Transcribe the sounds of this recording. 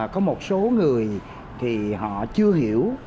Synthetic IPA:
kɔ˨˦mo˨˩t̚so˨˦ŋɨ˨˩əj | t̪ʰi˨˩ɦɔ̰˧˨t͡ɕɨ˧əɦi˧˩˨əw

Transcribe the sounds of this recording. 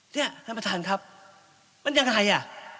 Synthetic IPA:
ni˥˩ɐt̪ʰa˧˥pa˧t̪ʰaː˨˧˩nkʰɾa˦˥p̚ | ma˧˦nja˧ŋa˧˩ɦa˨˧˦jʔa˨˩

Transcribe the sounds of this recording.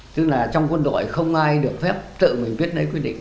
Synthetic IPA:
t̪ɨ˦˥k̚laː˨˩t͡ɕɔ˧wŋ͡mkwə˧nɗo̰˧˨jxə˧wŋ͡mʔaː˧jɗɨ˨˩ək̚fɛ˦˥p̚t̪ɨ̰˧˨mï˨˩ŋ̟ɓi˦˥ət̚ɗə˨˦jkwi˧ɗḭ˧˨ŋ

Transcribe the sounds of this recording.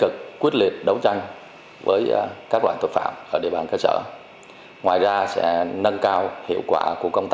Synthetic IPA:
kɨ˨˩k̚ːwi˦˥ət̚li˨˩ət̚ɗə˨˦wt͡ɕa˧jŋ̟ | vəː˨˦jkaː˦˥k̚lwaː˧˨t̪ʰwə˨˩t̚fa̰ː˧˨mʔəː˧˩ɗḭ˧˨əɓaː˨˩nkəː˧sə̰ː˧˩ | ŋwaː˨˩jzaː˧sɛ̰˧˥nə˧nkaː˧whḭ˧˨əwkwaː˧˩ku˧˩əkə˧wŋ͡mt̪a˥

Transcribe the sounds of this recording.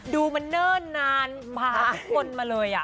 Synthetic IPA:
duː˧ma˧nːɤː˥˩nːaː˧n | pʰaː˧˦˥kʰo˧nmaː˧lɤː˧jʔa˨˩ʔ

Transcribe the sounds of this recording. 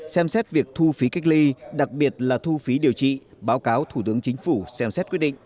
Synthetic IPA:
sɛ˧msɛ˦˥t̚vi˨˩ək̚t̪ʰu˧fi˨˦ka˦˥jk̟̚li˧ɗa˨˩k̚ɓi˨˩ət̚laː˨˩t̪ʰu˧fi˨˦ɗi˨˩əwt͡ɕḭ˧˨ɓaː˨˦wkaː˨˦wt̪ʰu˧˩t̪ɨ˨˦əŋt͡ɕi˨˦ŋ̟fu˧˩sɛ˧msɛ˦˥t̚kwt̚ɗḭ˧˨ŋʔ

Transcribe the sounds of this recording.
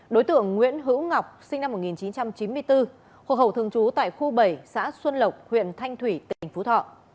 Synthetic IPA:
ɗo˨˦jt̪ɨ̰˧˨əŋːwḭ˧˥ənɦɨ̰˧˥wŋa˨˩wk͡p̚sï˧ŋ̟na˧mːo˨˩ŋi˨˩nt͡ɕi˨˦nt͡ɕa˧mt͡ɕi˨˦nmɨ˧əjt̪ɨ˧ | xwaː˨˩hə˧˩wt̪ɨ˧əŋt͡ɕu˨˦t̪a̰ː˧˨jxu˧ɓə˨˩jsa̰ː˧˥swə˧nlə˨˩wk͡p̚hwḭ˧˨ənt̪ʰa˧jŋ̟t̪ʰwi˧˩t̪ḭ˧˨˩ŋ̟fu˨˦t̪ʰɔ̰˧˨

